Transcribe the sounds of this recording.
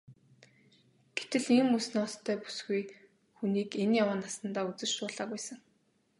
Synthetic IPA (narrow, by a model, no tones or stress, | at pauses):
ɡ̥et̪ɘ̆ɮiːmusnɔːst̪ʰːœːpu̥sɡuj | xuniːkenjawaːnasə̆nt̪aːut͡sɘ̆t͡ɕʃʊːɮaːkæːsə̆ŋ